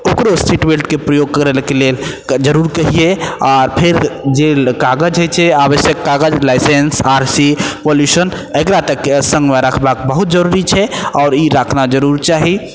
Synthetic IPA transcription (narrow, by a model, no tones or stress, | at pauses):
okɾostʰiʈbelʈkepɾəjoɡ̚kəɾɛlkelel | d͡ʒəɾuɾkəɦieɔːɾpʰeɾd͡ʒelkaɡəd͡ʒɦəjt͡ʃʰɛaʋəsjəkːaɡəd͡ʒlaɪsensaɾsipoljusən | ekɾat̪əkːsə̃ŋɡmeɾəkʰbak̚bəɦut̪̚d͡ʒəɾuɾit͡ʃʰɛɔːɾiɾəkʰnad͡ʒəɾuɾt͡ʃaɦi